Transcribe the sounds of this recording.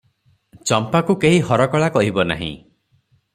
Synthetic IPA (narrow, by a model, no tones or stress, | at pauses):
t͡ʃɔmpakukeɦihɔɾɔkɔɭakɔɦibɔna̰ɦḭ̃